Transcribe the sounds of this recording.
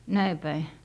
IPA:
næi pæi

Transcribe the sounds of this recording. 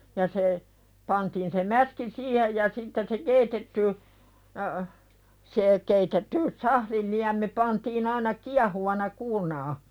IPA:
jɑ se pɑntiːn se mæski siːhej jɑ sitːen se keitetːy se keitetːy sɑhlil liæmi pɑntiːn ɑinɑ kiɑhuʋɑnɑ kuːrnɑː

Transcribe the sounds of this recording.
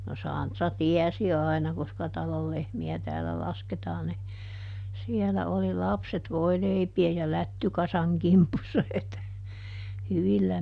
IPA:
no sɑˑntrɑ tiɛsi ɑˑinɑ koskɑ tɑlol lehmiæ tæːlæ lɑsketɑːn ni sielæ oli lɑpset ʋoileipiej jɑ lætːykɑsɑŋ kimpusːɑ het hyʋilːæ

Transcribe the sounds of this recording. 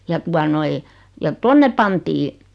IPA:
jɑ tuɑ noi jɑ tonːe pɑntiː

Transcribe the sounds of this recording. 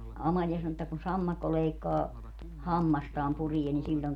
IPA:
ɑmɑlʲiɑ sɑno etːæ kun sɑmːɑkːo leikːɑː hɑmːɑstɑːm purie ni silʲːon

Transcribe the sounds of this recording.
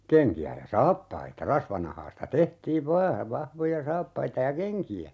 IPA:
keŋkiæ jɑ sɑːpːɑitɑ rɑsʋɑnɑhɑːstɑ tehtiːʋ ʋɑː ʋɑhʋojɑ sɑːpːɑitɑ jɑ keŋkiæ

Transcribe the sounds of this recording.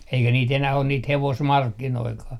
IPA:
eikæ niːt enæh on niːt heʋosmɑrkːinoikɑː

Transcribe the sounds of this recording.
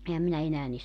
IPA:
ehæm minæ enæː ni

